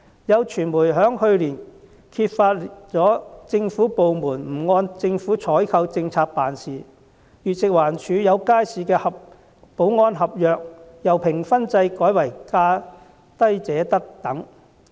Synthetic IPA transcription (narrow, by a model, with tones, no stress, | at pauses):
jɐ˨˧wt͡ʃʰyː˨˩nmuː˨˩jɦœː˨˥ŋhɵ˧ɥliː˨˩n | kʰiː˧t̚faː˧t̚t͡sɔː˨˥t͡sɪ˧ŋfuː˨˥po˨wmuː˨˩nm̩˨˩ŋɔː˧nt͡sɪ˧ŋfuː˨˥t͡sʰɔː˨˥jkʰɐ˧wt͡sɪ˧ŋt͡sʰaː˧k̚paː˨nsiː˨ | jyː˨t̚sɪ˨k̚waː˨˩nt͡ʃʰyː˨˧jɐ˨˧wkaː˥jsiː˨kɛː˧hɐ˨p̚ | po˨˥wŋɔː˧nɦɐ˨p̚jœː˨k̚jɐ˨wpʰɪ˨˩ŋfɐ˥nt͡sɐ˧jkɔː˨˥jwɐ˨˩jkaː˧ | t̪ɐ˥jt͡sɛː˨˥t̪ɐ˥k̚t̪ɐ˨˥ŋ